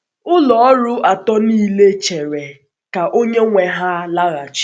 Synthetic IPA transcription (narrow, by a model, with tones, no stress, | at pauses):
ʊ˦lɔ˨ɔ˦ɾʊ˦a˨tɔ˦niː˦le˦t͡ʃe˨ɾe˨ | ka˨ʔo˦ɲe˦ŋʷe˨ɦa˦la˦ɣa˨t͡ʃ